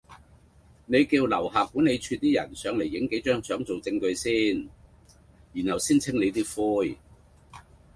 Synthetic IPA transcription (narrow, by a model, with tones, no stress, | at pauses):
ne˨˧jkiː˧wlɐ̰˨˩whaː˨p̚kːu˨˥ne˨˧jt͡ʃʰyː˧t̚t̪iː˥jɐ̰˨˩nsœː˨˧˥ŋle˨˩jːɪ˨˥ŋke˨˥jt͡ʃœː˥ŋsœː˨˥ŋt͡so˨wt͡sɪ˧ŋkɵ˨˧ɥsiː˥n | ji˨˩nhɐ˨˩wsiː˥nt͡sʰɪ˥ŋle˨˧jt̪iː˥fuː˥j